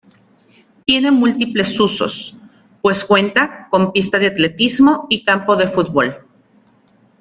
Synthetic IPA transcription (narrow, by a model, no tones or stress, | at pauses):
t̪je̞ne̞mult̪iple̞suso̞̰s | pwe̞skwe̞nt̪ako̞mpist̪aðeat̪le̞t̪izmo̞ikampo̞ðe̞fut̪̚bol